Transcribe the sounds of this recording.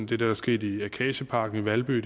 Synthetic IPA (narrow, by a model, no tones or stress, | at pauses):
d̥e̝d̥ɑd̥ɑ̈sɡ̥e̝̰ːd̥iækʰɛ̰ːɕəpʰɑ̈ːɡ̥n̩iʋælb̥y̰̥ː